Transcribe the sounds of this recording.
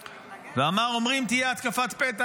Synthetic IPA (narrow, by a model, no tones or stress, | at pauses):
veamaʁo̞mʁimt̪ijeat̪kafat̪pet̪a